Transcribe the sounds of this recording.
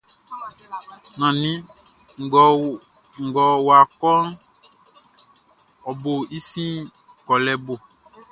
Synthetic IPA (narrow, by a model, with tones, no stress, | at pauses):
nã˨nĩ˦ | ŋ˨ɡ | ŋ̩˨ɡɔ˨wo˨a˨kɔ˦n | ɔ˨bo˨i˦sĩ˦ | kɔ˨lɛ˦bo˨